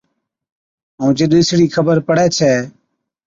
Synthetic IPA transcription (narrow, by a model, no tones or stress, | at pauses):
ɦũːd͡ʒɪɗɪsɽiːkʰəbəɾpəɽɛːt͡ʃʰɛː